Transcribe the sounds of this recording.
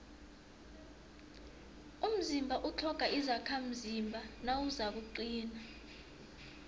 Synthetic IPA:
um̩zimbʱaʔut͡ɬʰɔɡ̥ʱaʔizakʰam̩zimbʱanawuzak̬uǃiːna

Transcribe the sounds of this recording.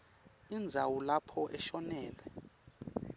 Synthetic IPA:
ind͡zʱawulapʰɔʔɛʃɔnɛːlwɛ

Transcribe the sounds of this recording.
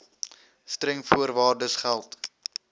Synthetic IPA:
stɾɛŋfuərvɑːrdəsχælˠt

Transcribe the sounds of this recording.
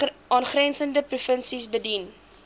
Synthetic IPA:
ɑːnχrɛnsəndəprufənsisbədin

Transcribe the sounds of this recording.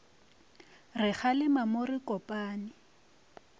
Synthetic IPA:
rɪχalɪmamorikɔpʼaːnɪ

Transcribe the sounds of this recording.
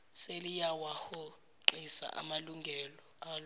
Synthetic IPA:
selijawahɔ | ǃisa̰ʔa̰maluŋɡʱɛlɔaːl

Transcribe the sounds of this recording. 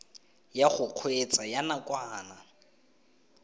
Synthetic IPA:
jaχʊq͡χʰwet͡sʼajanakʼwaːna

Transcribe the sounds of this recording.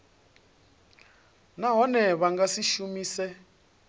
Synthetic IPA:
naɦɔnɛβaŋɡasiʃumiːsɛ

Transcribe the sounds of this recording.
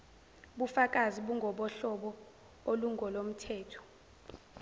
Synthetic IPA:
ɓufak̬ʼaziɓuŋɡʱɔɓɔɬɔɓɔ | oluŋɡʱɔlom̩tʰɛːtʰɔ̥

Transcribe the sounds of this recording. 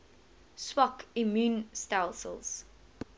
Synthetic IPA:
swɔkimjũːnstalsə̰lˠz̥

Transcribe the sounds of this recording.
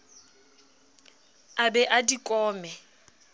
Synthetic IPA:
abɛʔadikʼɔːmɛ

